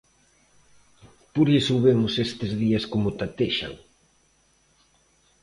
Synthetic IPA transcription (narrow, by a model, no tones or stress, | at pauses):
puɾesowβemʊsest̪ezðiaskomʊt̪at̪eʃa̰ŋ